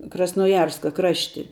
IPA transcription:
krɐsnoːˈjɛrskɐ ˈkrɑːʃʲtʲɪ

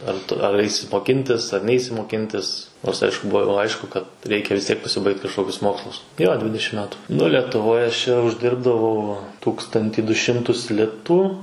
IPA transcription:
ɐr ˈtʊ ɐr ˈɐɪsʲɪ moːˈkʲɪnʲtʲɪs ɐr ˈnʲɛɪsʲɪ moːˈkʲɪnʲtʲɪs ˈnoːrs ˈɐɪʃkʊ ˈbuɔ jɛʊ ˈɐɪʃkʊ kɐt ˈrʲɛɪkʲɛ ʋʲɪs ˈtʲiɛk pɐsʲɪˈbɐɪkt kɐʃˈkoːkʲʊs ˈmoːkslˠʊs joː ˈdʲʋʲɪdʲɛʃʲɪm ˈmʲæːtʊ nʊ lʲɛtʊˈʋoːj ɐʃ ˈt͡ʃʲɛ ʊʒʲˈdʲɪrbdɐʋɐʊ ˈtuːkstɐnʲtʲiː dʊ ˈʃʲɪmtʊs ˈlʲɪtuː

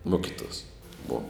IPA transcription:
ˈmoːkʲɪtuɔs boːw

